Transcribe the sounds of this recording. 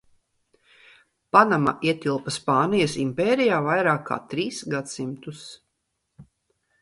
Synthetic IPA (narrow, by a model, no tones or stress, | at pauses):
panama̰ʔiɛt̪ʲilˠpɐspaːnijɐsimpɛːɾijaːvajɾaːkʰːa̰ːt̪ɾiːsɡat̪simt̪us